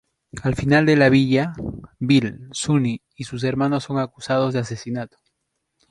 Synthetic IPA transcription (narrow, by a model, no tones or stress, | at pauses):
alfinald̪e̞laβiʎabilsuni | isus̬e̞ɾmãno̞sːo̞ŋakusað̞o̞zðease̞sinat̪o̥